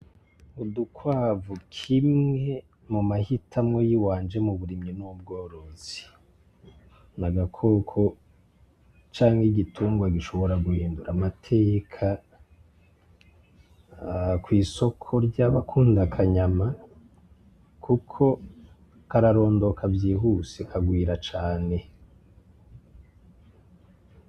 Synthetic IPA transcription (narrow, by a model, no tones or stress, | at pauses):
udukwaːvukʰimŋŋe̞ | mumahitʰamŋo̞jiwaːnd͡ʒe̞muβuɾimɲinuub̚ɡo̞ːɾo̞z̥i | naɡakʰo̞kʰo̞ | t͡ʃaːŋhiɡitʰuːŋɡwaɡiʃo̞βo̞ɾaɡuhiːnduɾamatʰe̞ːkʰa | kwiːso̞kʰo̞ɾɟaβakʰuːndakʰaɲama | kʰukʰo̞ | kaɾaɾo̞ːndo̞kʰavjiːɦuːsekʰaɡwiːɾat͡ʃaːne̞